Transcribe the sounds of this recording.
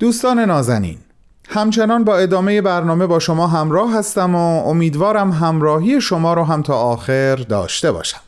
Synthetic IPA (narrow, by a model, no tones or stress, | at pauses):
d̪̥uːst̪ɒːne̞nɒːzænḭːn | hæmt͡ʃʰe̞nɒːnbɒːe̞d̪ɒːme̞je̞bæɾnɒːme̞bɒːʃo̞mɒːɦæmɾɒːɦæst̪æmoomiːd̪vɒːɾæmɦæmɾɒːɦijeʃomɒːɾoɦæmt̪ʰɒːɒːxeɾd̪ɒ̰ːʃt̪e̞bɒ̰ːʃæ̥m